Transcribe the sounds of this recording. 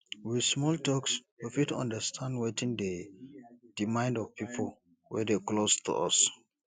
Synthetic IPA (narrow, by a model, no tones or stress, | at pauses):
wismɔltɔkswifitɔ̰̃ndəstʰãndwetĩnde | d̥imãɪ̃ndɔvpʰipʰəl | wɛ̰deklostʰṵʔɔ̰s